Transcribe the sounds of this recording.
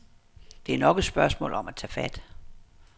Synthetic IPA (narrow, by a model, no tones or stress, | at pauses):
d̥e̝æɐnɒ̽ɡ̥əsb̥ɶɐsmɔ̰̽ːlɒ̽mæt͡sʰæ̰ːfæd̥